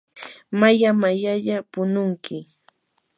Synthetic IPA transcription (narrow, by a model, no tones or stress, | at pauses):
majamajaʎapʊnʊŋkɪ